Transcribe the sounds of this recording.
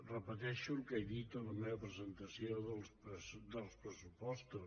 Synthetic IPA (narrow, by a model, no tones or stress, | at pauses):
rəpət̪ɛʃulkejðit̪ələmeβəpɾəzənt̪əsioðəlˠspəsd̪əlˠspɾəsupɔst̪u